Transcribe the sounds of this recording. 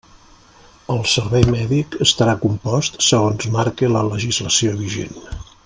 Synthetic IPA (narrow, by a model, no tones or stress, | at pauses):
əlˠsəɾβɛjmɛðikəst̪əɾakumpɔst̪səɣonzmaɾkelələʒizləsioβiʒḛn